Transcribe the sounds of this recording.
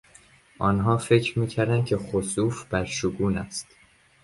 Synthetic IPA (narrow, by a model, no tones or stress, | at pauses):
ʔɒːnɦɒːfe̞cʰɾmiːcʰæɾd̪ænd̪̚cʰe̞xosuːfb̥æɾʃuɡuːnæ̰st̪